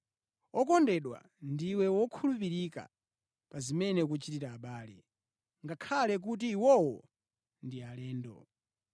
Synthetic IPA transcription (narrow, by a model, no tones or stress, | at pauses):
ɔkɔndɛɗwa̰ | ndiwɛwɔkʰulupiɾika̰ | pazimɛnɛk̬ut͡ʃitiɾaːɓaːlɛ̰ | ŋɡakʰalɛk̬ut̬iːwɔwɔ | ndialɛːndɔ̰